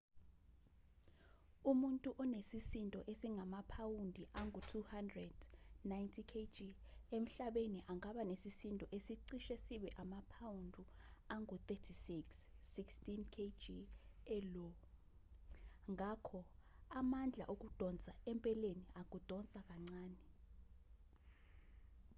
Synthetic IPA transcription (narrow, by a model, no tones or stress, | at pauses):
umuntʼuʔɔnesisintʼɔʔesiŋʱamapʰawundʱiʔaŋɡutʰuhandrɛd̥najntʰikʰed͡ʒiem̩ɬaɓeniʔaŋaɓanesisintʼɔʔesiǀiʃesiɓɛʔamapʰawundʱuaŋʱut̪etʰisiksːikstʼinkʰed͡ʒiɛlɔ | ŋʱakʰɔamand͡ɮʱa̰ʔok̬ud̥ʱɔnt͡sʼaɛmpʼɛleniak̬ud̥ʱɔnt͡sʼak̬ʼaŋ͡ǀaːni